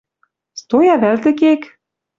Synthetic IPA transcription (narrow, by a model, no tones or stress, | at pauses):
st̪ojɑβælt̪ɘ̆kek